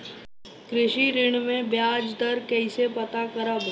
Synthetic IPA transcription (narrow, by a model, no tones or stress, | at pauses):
kɾɪʃiɾɪɽ̃mẽbjaːd͡ʒd̪əɾkɛɪsepɐt̪akəɾəb